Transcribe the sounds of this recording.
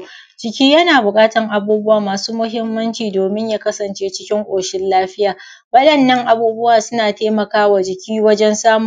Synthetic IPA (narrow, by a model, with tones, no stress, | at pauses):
d͡ʒɪ˨kʲiː˦jɐ˦naː˨bʊ˨kʼaː˦tɐ˨ŋʔa˨buː˦bʊ˦waː˨maː˨suː˦mʊ˦ɦɪ˦mːɐ˦nt͡ʃiː˨doː˨mɪ˦ɲjaː˦kɐ˦sɐ˨nt͡ʃeː˦t͡ʃɪ˦kʲɪ˦ŋʔʷʼoː˨ʃɪ˦nlaː˦ɸɪ˦jaː˨ | bɐ˦ɗɐ˨nːɐ˦ŋʔa˨buː˦bʊ˦waː˨sʊ˦naː˨teː˦mɐ˨kaː˦wa˨d͡ʒɪ˨kʲiː˦wɐ˦d͡ʒɛ˦nsaː˦mʊ˨